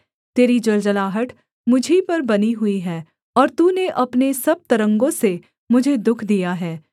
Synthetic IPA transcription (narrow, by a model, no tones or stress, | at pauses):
t̪eːɾid͡ʒɐld͡ʒəlaːɦəʈ | mʊd͡ʒʱipɐɾbɐniɦʊiɦɛː | ɔːɾt̪uːneʔɐpnesɐb̚t̪ɐɾə̃ŋɡõse | mʊd͡ʒʱed̪ʊkʰd̪ijaɦɛː